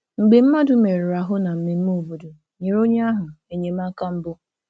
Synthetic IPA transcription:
ŋŋ͡m̩˨ɡ͡be˨m̩˦ma˦dʊ˨me˨ɾʊ˨ɾa˨ɦʊ˦na˨m̩˨me˨m̩˦mo˦˨bo˨do˨ | ɲe˨ɾo˦ɲ˦a˦ɦʊ˨e˨ɲe˨m̩˦a˦ka˦m̩˦bʊ˦

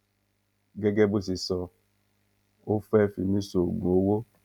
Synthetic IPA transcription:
ɡe˦ɡe˦bʊ˦s̬i˨sɔ˦ | o˦fɛ˦fi˨mi˦so˨ɡo˨˦wo˦

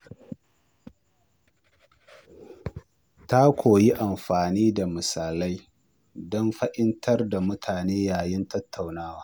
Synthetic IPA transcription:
ta˦kʷoː˨ji˦ʔa˨mɸaː˨niː˦da˨mɪ˨saː˨la˦j | dɔ˦mɸɐ˦ʔɪ˦ntʰɐ˦rda˨mʊ˦tʰaː˨neː˦jaː˨jɪ˦ntɐ˦tʰːa˨wnaː˦waː˦

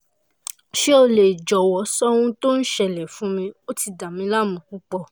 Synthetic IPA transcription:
ʃe˦o˧le˨d͡ʒɔ˨wɔ˨˦sɔ˦w̃ũ˧to˦n̩˦ʃɛ˨lɛ˨fũ˨˦mĩ˧o˦ti˧da˨mĩ˧la˦˨mũ˨˧˨ku˦k͡pɔ˧˨

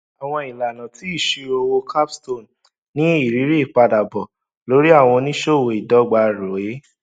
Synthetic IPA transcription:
a˨w̃ɔ̃˧i˨la˨nã˨ti˨˦i˦˨ʃi˧o˧wo˧kʰa˦psto˦˨n | nĩ˦i˦˨ɾi˨˦ɾi˦i˦˨k͡pa˧da˨bɔ˨ | lo˨˦ɾi˦a˦˨w̃ɔ̃˧nĩ˦ʃo˦˨wo˧˨i˨dɔ˨˦ɡ͡ba˧ɾo˨e˦

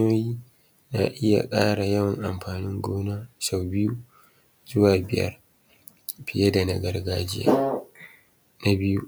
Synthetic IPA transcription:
oː˦jiː˦ | na˨ʔɪ˦ja̰˨kʼaː˦ɽa˨jɐ˦wɐ˨ŋʔa˨mɸaː˨nɪ˦ŋɡʷoː˦na˦sa˨wbɪ˦ju˦ | zʊ˦waː˨bɪ˨jɐ̰˦r | ɸɪ˨ja˦da˨nɐ̰˨ɡɐ˨rɡaː˦d͡ʒɪ˦ja̰˦ | na˦bɪ˦ju˦

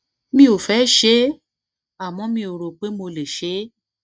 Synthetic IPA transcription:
mĩ˦o˨fɛ˨˦ʃe˦ | a˨mɔ̃˨˧˦mĩ˧o˨ɾo˨k͡pe˦mo˧le˨ʃe˨˦

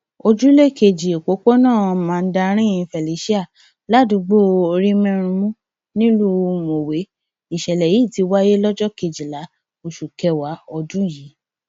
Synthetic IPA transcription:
o˧d͡ʒu˦le˦˨ke˧˨d͡ʒi˨e˨ko˨˦ko˦nãː˦˨˧mãː˨˦˧n̩˦da˧˦ɾ̃ĩ˦ĩ˧fɛ˨li˨˦ʃi˦a˦˨ | la˦˨dũ˨˧˦ɡ͡bo˦˨o˧ɾĩ˦mɛ̃˦ɾũ˧mũ˦ | nĩ˦lu˦˧mo˨we˨˦ | i˨ʃɛ˨lɛ˨jiː˨˦˨ti˧wa˦je˦lɔ˦d͡ʒɔ˦ke˧˨d͡ʒi˨la˨˦ | o˨ʃu˨kɛ˧wa˨˦ɔ˧dũ˦ji˨˦

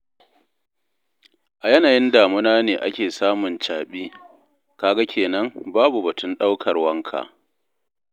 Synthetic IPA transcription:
ʔa˨jɐ˦naː˨jɪ˦ndaː˨mʊ˦naː˦neː˨ʔa˦kʲeː˨saː˦mʊ˨nt͡ʃaː˨ɓiː˦ | kaː˨ɡa˦kʲʰeː˨nɐ˦ŋbaː˦bu˨bɐ˨tʊ˦nɗa˦wkʰɐ˨rwɐ˦ŋkʰa̰ː˨ʔ

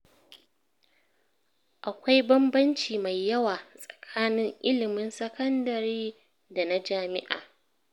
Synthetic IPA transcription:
ʔa˨kʷa˦jbɐ˦mbɐ˦nt͡ʃiː˨ma˨jːɐ˦waː˨sʼɐ̥˨kʰaː˦nɪ˦ŋʔɪ˦lɪ˨mɪ˦nsɐ˦kɐ˦ndɐ˨ɾiː˦ | da˨na˦d͡ʒaː˦mɪ̰˦ʔa̰ː˨

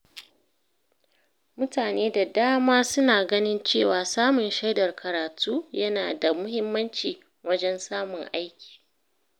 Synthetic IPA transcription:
mʊ˦taː˨neː˦da˨daː˦maː˦sʊ˦naː˨ɡɐ˦nɪ˦nt͡ʃeː˦˨waː˨saː˦mʊ˨nʃa˦jdɐ˨rkʰɐ˨ɾaː˨tʰuː˦jɐ˦naː˨da˨mʊ˦hɪ˦mːɐ˦nt͡ʃiː˨ | wɐ˦d͡ʒɛ˦nsaː˦mʊ˨ŋʔa˦jkʲi̥ː˨

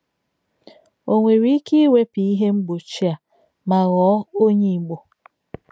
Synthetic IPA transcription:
o˨ŋʷe˨ɾi˦i˦ki˦we˦pi˨i˦ɦe˦ŋ͡m̩˦ɡ͡bo˨t͡ʃi˦a˨ | ma˨ɣɔː˨˦o˦ɲi˨ɡ͡bo˨

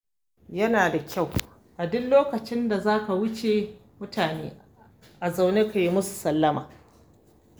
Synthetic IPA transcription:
jɐ˦naː˨da˨kʲʰa˦˨w | ʔa˨dʊ˦nloː˦kɐ˨t͡ʃɪ˦nda˨zaː˦ka˨wʊ˦t͡ʃe˨mʊ˦taː˨neː˦ | ʔa˨za˨wneː˦ka˨ji˦mʊ˦su̥˨sɐ˦lːɐ˦maː˨

